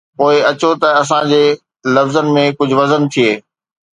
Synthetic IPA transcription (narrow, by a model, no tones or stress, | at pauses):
poːɪɐt͡ɕot̪ɐɐs̬ãd͡ʑeː | lɐfzənɪ̆mẽkʊd͡ʑʱʊ̆ʋɐzənt̪ʰijeː